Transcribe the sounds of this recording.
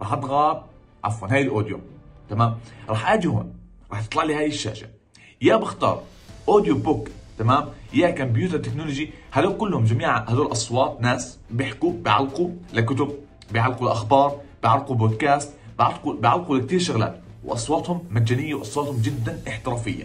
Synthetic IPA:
ɾˤɑːħʔɑd̪ɣab̚ | ʕa̰fwanɦaːjɪlʔoːd̪jot̪amaːmɾˤɑːħʔaːd͡ʒ̪ihṵːn | ɾˤɑːħt̪ɨ̥t̪lɑʕlihaːjɪʃːa̰ːʃa̰ | jaːbɪxt̪ɑ̰ːɾˤ | ʔoːd̪jobʊkt̪amaːmjaːkamb̬juːt̪ɑɾˤt̪ɪknolod͡ʒihad̪oːkʊlːhʊmd͡ʒamiːʕhad̪oːlʔɑsˤwɑːt̪ˤnaːsbɪħkubɪʕa̰lːqulakʊt̪ʊb̚ | bɪjʕalːqulʔaxbɑːɾˤb̥jʕalquboːd̪kaːst̪̚bɪʕalqubɪʕalːqulak̚t̪iːɾʃʊɣla̰ːt̪wʔɑ̰sˤwɑːt̪hʊmːaːaːnɪjːawʔɑsˤwɑːt̪hʊmd͡ʒɪd̪ːanʔɪħt̪ɪɾɑːfɪ̰jːa̰

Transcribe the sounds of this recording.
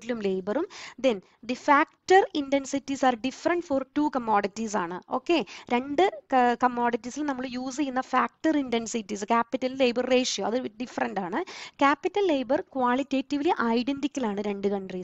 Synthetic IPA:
tːilumleːbɐrumd̪en | d̪ifaːk̚ʈɐrindensitːisaːrɖifɐrɐɳɖforʈuːkɐmːoːɽitːis̬aːɳɨo̞ːkːe̞ɾe̞ɳɖɨkɐmːoːɽitːisilnɐmːɐɭjuːs̬ejunːɐfaːk̚ʈɐrindensitːiskaːpːitːɐlːe̞ːbɐrːe̞ːʂjoːɐðɨɖifɐɾɐnɖaːɳɨkaːpːitːɐlːe̞jbɐrkʋaːɭitːeːtːiʋliʔɐjɖendikʲːɐlaːɳɨɾe̞ɳɖɨkɐɳɖri

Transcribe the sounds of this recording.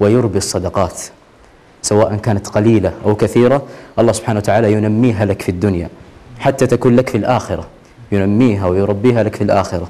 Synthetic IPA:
wɪjʊɾbisˤːɑd̪ɑqɑːt̪ | sawaːʔankaːnat̪qɑliːlaʔawkaθiːɾaʔɑlˤːɑːsʊb̥ħaːnawat̪aʕaːlajʊnamːiːɦalakfid̪ːʊnja̰ħat̪ːat̪akuːnlakfilʔaːxɪɾˤa | jʊnamːiːɦawjɾˤɑbːiːɦalakfilʔa̰ːxɪɾˤa

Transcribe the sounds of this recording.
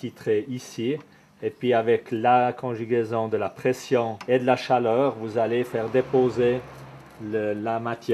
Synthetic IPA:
kit̪χeisi | epɥiavɛklakɔ̃ʒyɡʲezɔ̃d̪əlapχɛsjɔ̃ed̪əlaʃalœːʁvuzalefɛːʁd̪epoze | ləlamat̪jɛ

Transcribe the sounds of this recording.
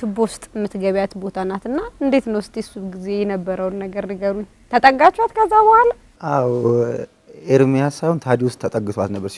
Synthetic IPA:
bost̪ʼmɨt̪ɡəβjat̪bo̞t̪ʰanːat̪ɨnːaɨnd̪e̞t̪nəwst̪ʼjɛsuβɡize̞jɛnəbːəɾəwnːəɡəɾnəɡəɾuɲː | t̪ʰət̪ʼəɡːat͡ʃːat̪kʰəzːabəhala | ʔaw | ʔeɾmijasajhunt̪ʰad̪iwʊst̪ʰːət̪ʼəɡːɨt̪oat̪nəbːəɾs

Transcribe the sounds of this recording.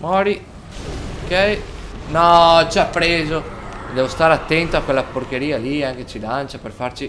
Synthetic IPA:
mɔɾi | okɛjnɔt͡ʃapːɾeːzod̪ɛːvost̪aːɾeat̪ːɛnt̪oakwelːaporkeɾiːaliaŋk̟et͡ʃilant͡ʃaperfart͡ʃi

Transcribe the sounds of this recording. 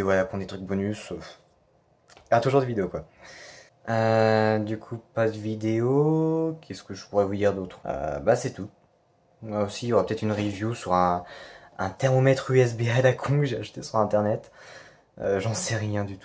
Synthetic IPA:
evwalakɔ̃d̪et̪χyk̚bɔnysøf | jɔʁat̪uʒuʁd̪əvid̪eokwa | ød̪ykʰupad̪əvid̪eokʰʲɛskəʒəpuʁɛvud̪iʁd̪ot̪χø̰basɛt̪u | maosijɔʁapøt̪ɛt̪χynʁevjusyʁɛ̃ | ɛ̰̃t̪ɛʁmomɛt̪χyɛs̬bead̪akʰɔ̃kəʒeaʃt̪esyʁɛ̃t̪ɛʁnɛt̪ | øʒɑ̃sɛʁjɛ̃d̪yt̪u̥

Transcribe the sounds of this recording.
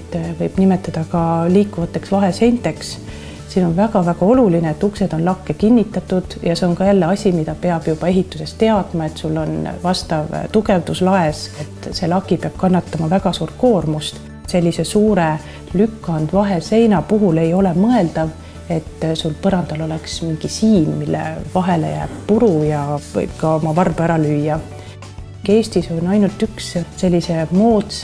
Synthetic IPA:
t̪ːvɤjb̥nime̞t̪ːˑɑd̪̥ɑkɑliːkːˑuvɑt̪ːˑe̞ksvɑɦe̞se̞jnt̪ːˑe̞ks | siːno̞nvæɡɑvæɡ̥ɑo̞lulineet̪ːukse̞d̪̥o̞nlɑkːe̞kinʲːit̪ːˑɑt̪ːˑud̪̥jɑseo̞nkɑjælːeɑsʲimid̪ɑpe̞ɑb̥jub̥ɑe̞ɦit̪ːˑuse̞st̪e̞ɑd̪̥mɑe̞t̪sulːo̞nvɑst̪ɑvt̪uɡe̞vd̪uslɑe̞se̞t̪ːse̞lɑkipeɑb̥̚kɑnːɑt̪ːɑmɑvæɡ̥ɑsuːɾt̪̚ko̞ːrmust̪ | se̞lʲːise̞suːɾe̞ | lykːˑɑɑnd̪̥vɑɦe̞se̞jnɑpuɦule̞jo̞le̞mɤe̞ld̪ɑ | e̞t̪ːsulpɤɾɑnd̪̥ɑlo̞leksmiŋɡ̥isiːmːilːḛvɑɦe̞le̞̰jæ̰ːb̥̚puɾujɑvɤ̰jb̥̚kɑo̞mɑvɑrbæɾɑlyjːɑ | ke̞ːst̪iso̞nʲɑjnult̪ˑyksse̞lʲːise̞mo̞ːt̪s

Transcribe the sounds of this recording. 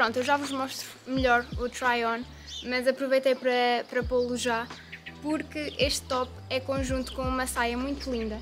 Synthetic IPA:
pɾõnt̪uewʒavuʒmɔʃt̪ɾumɨʎɔɾut̪ɾajɔ̃ | mɐzɐpɾuvɐjt̪ɐjpɾɐpɾɐpolˠuʒa | puɾkɨeʃt̪ːɔp | ɛkõʒũnt̪u̥kõumɐsajɐmũj̃t̪ulˠĩnd̪ɐ

